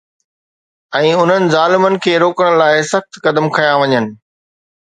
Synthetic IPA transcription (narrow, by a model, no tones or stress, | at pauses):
ɛ̃ːʊn̤ənɪ̆zaːlɪmənɪ̆kʰeːɾoːkəɽ̃laːɪsɐxt̪kɐd̪əmkʰɐjaʋɐɲənɪ̆